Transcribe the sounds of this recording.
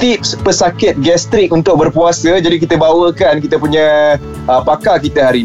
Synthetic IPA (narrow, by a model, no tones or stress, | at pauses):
t̪ip̚spəsakɪt̪̚ɡɛst̪ɾɪk̚unt̪ʊk̚bərpuasəd͡ʒadik̬it̪əbawəkankit̪əpuɲã | əpakakit̪əɦaɾi